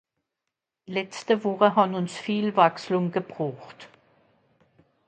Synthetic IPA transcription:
lɛt͡stəvɔχəɦabnʊnsfiːlvakslʊŋɡəb̥ʁaːxt

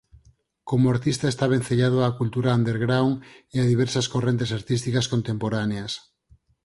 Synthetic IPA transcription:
komoaɾt̪ist̪aest̪aβ̞en̟θeʎað̞oakult̪uɾaːnd̪eɾɣɾawŋeaðiβ̞ɛɾsaskorent̪esaɾt̪ist̪ikaskont̪empoɾaneas

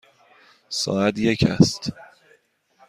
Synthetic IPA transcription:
sɒ̰ːæt̪je̞cʰæ̰st̪

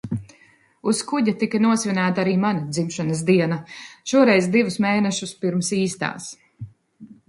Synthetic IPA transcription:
uskuɟat̪ikɐnuɔsvʲinaːt̪aɾiːmanad̪zimʃanɐsd̪iɛnaʃuɔɾɛjzd̪ivusmeːnɛʃuspiɾmsiːst̪a̰ːs

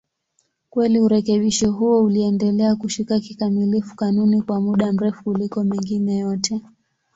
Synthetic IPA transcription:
kwɛliuɾɛkɛɓiʃɔɦuɔuliɛndɛlɛakuʃikakikamilifu̥kanunikwamuɗam̩ɾɛfu̥kulikɔmɛŋɡinɛjɔtʰɛ

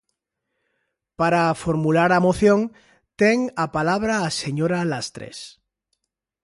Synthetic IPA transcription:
paɾafoɾmulaɾamoθjoŋ | t̪eŋapalaβ̞ɾaːseɲoɾalast̪ɾḛs

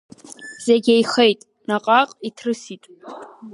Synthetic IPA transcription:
z̥eɡʲejχejtʼ | naqʼaqʼitʰrɨsitʼ

